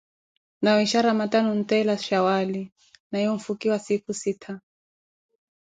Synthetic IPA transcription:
najɔiʃaɾamatanɔn̩tɛlaʃawali | nahiɔɱ̩fukiwasikusitʰa

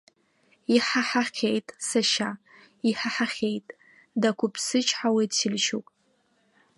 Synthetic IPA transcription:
iħaħaχʲejtʼsaʃa | iħaħaχʲejtʼ | dakʷʰʊpʰsɨt͡ʃʰʼħawedtʰɪlʃopʼ

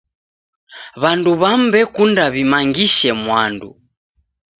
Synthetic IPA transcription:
βanduβambɛkundaβimaŋɡiʃɛmwandṵ

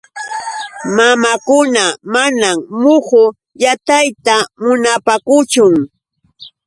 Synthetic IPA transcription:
mamakʊnamanammʊhʊ | jat̪ajt̪amʊnapakʊt͡ʃʊŋ

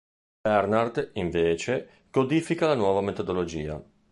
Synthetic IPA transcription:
bɛrnard̪iɱveːt͡ʃe | kod̪iːfikalanwɔːvamet̪od̪olod͡ʒḭːa̰

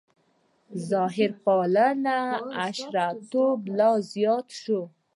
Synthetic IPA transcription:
zɑɦɪɾpɑlanaaʃɾat̪oblɑzjɑt̪ʃo

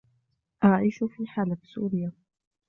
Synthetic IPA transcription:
ʔɑɾˤɑʕiːʃʊfiːħaːlafi̥sṵːɾɪja

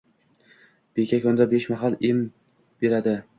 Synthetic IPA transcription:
b̥ekʲʰakʲʰɵnd̪abeʃmaɦalˠɪm | b̥e̞ɾad̪ɪ

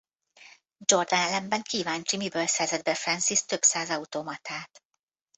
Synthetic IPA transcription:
d͡ʒo̞rd̪ɒnɛlɛmbɛŋkiːvaːɲt͡ʃimibøːlsɛrzɛd̪̚bɛfɾɛnsist̪ø̞psaːzɒut̪omɒt̪ʰaːt̪

